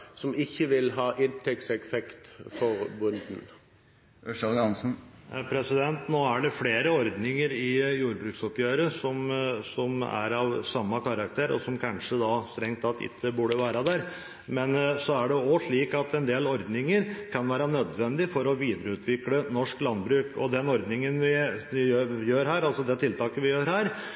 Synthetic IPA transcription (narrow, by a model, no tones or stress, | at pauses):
sɔmɪçːəʋɪlɦɑːʔɪnt̪ʰɛksɛkfɛkt̪fɔɾbʊnd̪n̩ | ʉʂɑlɡɑnsn̩pʰɾɛsɪd̪ɛnt̪noːæɖɛfleːɾəɔɾd̪nɪŋəɾɪjuːɾbɾʉːksɔpjøːɾəsɔmsɔmæ̰ɾɑʋsɑmːɑkʰɑɾɑk̚t̪ʰeːɾɔ̰sɔmkʰɑnʂəd̪ɑst̪ɾɛŋt̪ɑt̪ɪ̰t̪ʰːəbʉːɖəʋæːɾɑd̪æɾ | mɛnsɔæɖɛɔʂɭiːkɑt̪ɛnd̪eːlɔɾd̪nɪŋəɾkʰɑnʋæːɾɑnød̪ʋɛnd̪ɪfɔɾɔʋiːd̪ɾəʉːt̪ʰʋɪklənɔʂklɑnbɾʉːkɔ̰d̪ɛnɔɾd̪nɪŋənʋɪjøjøːɾɦæːɾɑlsɔd̪ɛt̪ʰɪlt̪ʰɑːkəʋɪjøːɾhæːɾ